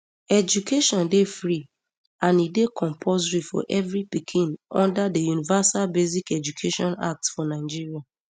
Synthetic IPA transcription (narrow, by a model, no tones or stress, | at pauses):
ɛd͡ʒukʰeʃɔ̃ndefɹi | ãnidekʰɔ̃mpʰozɹifɔ̰ʔɛvɹipikʰĩnɔ̰̃ndadəjunivasalbezikɛd͡ʒukʰeʃɔ̃na̰k̚tsfɔnaɪd͡ʒiɹia